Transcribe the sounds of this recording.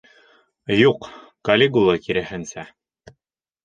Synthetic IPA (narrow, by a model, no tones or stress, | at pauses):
juq | kɐlʲeɡulˠɤkiɾɘ̆hɘ̆nsæ